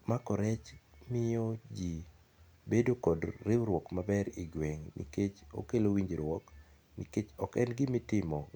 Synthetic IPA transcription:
makɔɾɛt͡ʃmɪjod͡ʒi | bedokɔdːɪwɾwɔkmabɛɾiɡweŋnḭket͡ʃo̰kelowiɲd͡ʒiɾwɔk | nḭket͡ʃɔkɛnɡɪmɪtɪmɔ

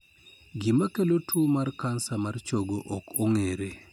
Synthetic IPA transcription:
ɡɪmakelotʰomarkansamart͡ʃoɡoʔɔkoŋeɾe

